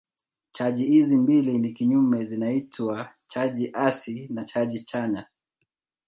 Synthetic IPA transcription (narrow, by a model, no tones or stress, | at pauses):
t͡ʃaʄihizimbilinikiɲumɛzinaitwa | t͡ʃaʄiʔasinat͡ʃaʄit͡ʃaɲa